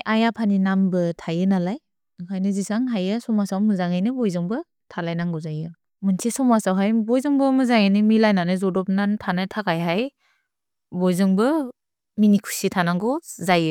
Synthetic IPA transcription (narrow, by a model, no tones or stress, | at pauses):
ʔajapʰaninambɯtʰajɯnalaj | ɯkʰajnɯzisaŋɦajɯsɔmasawmɯzaŋajnɯbɔjzɯŋbɯ | tʰalajnaŋɡɔzajɯ | mɯntʰisɔmasawɦajbɔjzɯŋbɯmɯzaŋajnɯmilajnanɯzɔdɔp̚nantʰanajtʰakajɦaj | bɔjzɯŋbɯ | minikʰu̥sitʰanaɡɔzajɯ